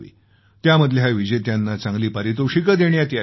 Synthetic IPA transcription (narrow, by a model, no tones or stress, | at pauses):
ḭː | t̪jaməd̪ʱleɦaʋid͡ʑet̪janːat͡sãŋɡliːpəɾit̪uʂikəd̪eɳjat̪ia